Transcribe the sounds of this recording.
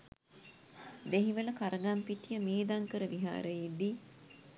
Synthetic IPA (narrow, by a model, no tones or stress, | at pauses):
d̪eɦiʋələkaɾəɡampiʈijəmeːd̪aŋkəɾəʋiɦa̰ːɾəjed̪i